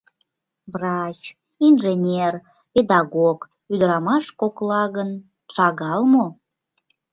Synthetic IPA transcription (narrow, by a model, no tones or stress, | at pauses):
brɑt͡ɕ | inʒenʲer | ped̪ɑɣok | yd̪əɾɑmɑʃkoklɑɣən | ʃɑɣɑlmo